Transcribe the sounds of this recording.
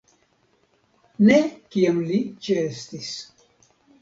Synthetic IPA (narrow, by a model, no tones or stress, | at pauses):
nekiamlit͡ʃeest̪is